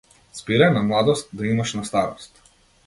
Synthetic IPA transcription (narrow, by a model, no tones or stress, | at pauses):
spiɾanamlˠad̪ɔst̪̚d̪aimaʃnast̪aɾɔst̪